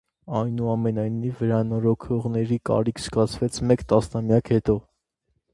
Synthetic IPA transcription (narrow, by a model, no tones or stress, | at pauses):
ɑjnuɑmɛnɑjnivːəɾɑnɔɾɔkʰɔʁnɛɾikɑ̰ɾikʰsɡɑt͡sʰvɛt͡sʰmɛkt̪ɑsnɑmjɑkhɛt̪ɔ